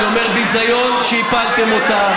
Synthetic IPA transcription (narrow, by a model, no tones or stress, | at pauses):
omeʁbizajonʃeipalt̪emo̞t̪a